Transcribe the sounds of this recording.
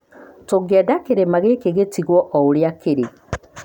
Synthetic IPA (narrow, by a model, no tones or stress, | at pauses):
toɡɛdakeɾemaɣekeɣetiɣwɔʔɔoɾjakeɾe